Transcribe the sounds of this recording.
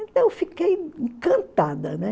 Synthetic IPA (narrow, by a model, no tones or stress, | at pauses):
ẽnt̪ɐ̃w̃ewfikejĩkɐ̃nt̪ad̪ɐnɛ